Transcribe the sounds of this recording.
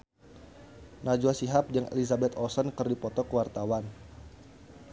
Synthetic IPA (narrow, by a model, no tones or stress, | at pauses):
nad͡ʒuasiɦap̚d͡ʒəŋʔḛlizabɛt̪ɔsənkərdipɔt̪ɔkəwart̪awan